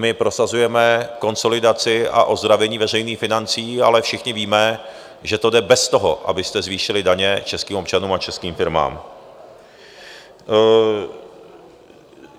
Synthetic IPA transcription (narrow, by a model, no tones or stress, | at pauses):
mɪpɾo̞sazujɛmɛko̞nso̞lɪdat͡sɪa̰ʔo̞zd̪ɾavɛɲiːvɛr̝ɛjniːxfɪnant͡siːa̰lɛfʃɪxɲɪviːmɛ | ʒɛt̪o̞dɛbɛst̪o̞ɦo̞ʔa̰bɪst̪ɛzviːʃɪlɪdaɲɛt͡ʃɛskiːmopt͡ʃanuːmat͡ʃɛskiːmfɪɾma̰ːm